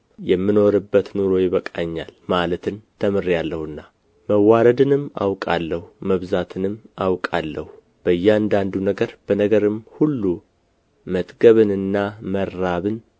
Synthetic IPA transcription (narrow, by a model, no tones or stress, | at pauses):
jɛmːino̞ɾɨbːət̪nuɾo̞jɪβəkʼaɲːa̰lmalət̪ʰɨnt̪ʰəmɨɾjalːəhɨnːa | məwːaɾəd̪ɨnɨma̰wkʼalːəhuməβzat̪ʰɨnɨmawkʼalːəhu | b̥əjːɛand̪and̪unəɡəɾb̥ənəɡəɾɨmhulːu | mət̪ʼɡəβɨnɨnːaməɾːaβɨn